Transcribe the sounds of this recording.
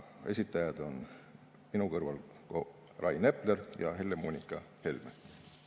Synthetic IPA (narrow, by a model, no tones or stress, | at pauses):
e̞̰sʲit̪ːˑɑjɑd̪o̞n | minukɤrvɑl | ko | rɑjne̞plerjɑɦelːemunʲikːˑɑ | he̞lme